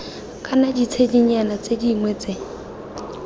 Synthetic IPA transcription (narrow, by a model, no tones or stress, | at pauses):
kʼanadit͡sʰediɲanat͡sediŋwɛt͡se